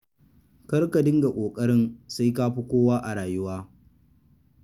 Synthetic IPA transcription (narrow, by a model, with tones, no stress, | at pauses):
kɐ˦rka˨dɪ˦ŋɡa˨kʷʼoː˨kʼɐ˦ɽɪ˦nsa˦jkaː˦ɸi˦kʷoː˦waː˦ʔa˨ɽaː˨jʊ˦waː˦